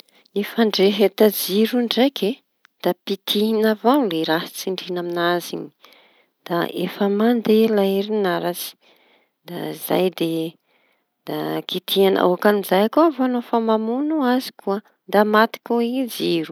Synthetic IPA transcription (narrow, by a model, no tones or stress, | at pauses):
nifaɳɖ͡ʐeɦet̪ad͡ziɾuɳɖ͡ʐejkʰe | d̪̥apit̪ʰiɦinavawleɾahat͡siɳɖ͡ʐinaminazini̥ | d̪̥aʔefəmand̪elaiɾinaɾat͡si̥ | d̪aiz̥a̰jd̪e | d̪̥akit̪ʰianʔa̰a̰akanizajakuavoanofamamunuazi̥kuə | d̪amat̪i̥kʲuid͡ziɾu̥